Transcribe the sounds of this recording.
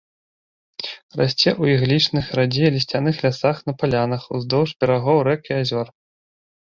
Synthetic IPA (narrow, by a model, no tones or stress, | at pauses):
ra̰sʲt͡sʲɛʔuiɣlʲit͡ʂnɨxrad͡zʲijlʲisʲt͡sʲanɨxlʲasaxnɐpalʲanɐxuzd̪ɔwʐbʲɛɾaɣɔwɾɛkiazʲɔr